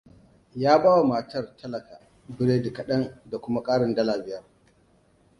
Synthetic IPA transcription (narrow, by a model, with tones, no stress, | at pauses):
jaː˦baː˦wa˨maː˨tɐ˦rtʰɐ˦lɐ˨kaː˨ | bɪ˦ɽeː˦dɪ˨kɐ˨ɗɐ˦nda˨kʷʊ˦ma˦kʼaː˦ɽɪ˨ndɐ˦laː˨bɪ˦jɐ˦r